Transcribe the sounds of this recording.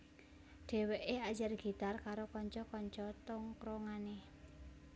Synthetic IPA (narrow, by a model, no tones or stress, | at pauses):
ɖ̥ɛ̤weʔead͡ʒarɡ̥i̤t̪arkaɾokɔɲt͡ʃɔkɔɲt͡ʃɔt̪ʊŋkɾoŋane